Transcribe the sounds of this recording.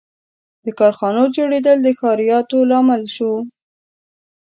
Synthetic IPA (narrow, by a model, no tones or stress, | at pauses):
d̪əkɑɾxɑnod͡ʒoɽed̪əld̪əxɑɾijɑt̪olɑməlʃo